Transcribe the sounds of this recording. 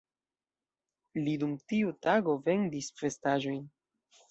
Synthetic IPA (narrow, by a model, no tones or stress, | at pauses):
lidumtiutaɡo̞ve̞ndisfe̞staʒo̞jn